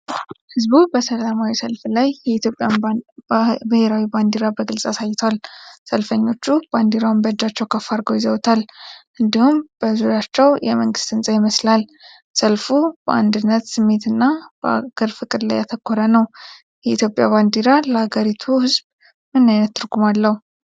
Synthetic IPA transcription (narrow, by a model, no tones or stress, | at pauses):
hɨzbubəsəlamawisəlflajjɛit̪jopʼja | bɨheɾawiband̪iɾabəɡɨlsʼasajt̪ʰwalsəlfəɲːo̞t͡ʃːuband̪iɾawmbəd͡ʒat͡ʃːɛwkʰəfːaɾɡojɪzəwt̪ʰalʔɨnd̪ihumb̥əzuɾjat͡ʃːɛwjɛməŋɡɨst̪ɨnsʼajɪməslal | səlfub̥əand̪ɨnːət̪sɨmːe̞t̪ɨnːab̥əa̰ɡ̥əɾfɨkʼɨd̪la̰jat̪ʰəkʰːoɾənəw | jɛʔit̪ʰjo̞pʼja̰band̪iɾaləhaɡəɾit̪ʰuhɨzb | mɨnːajnət̪ːɨɾɡumalːəhu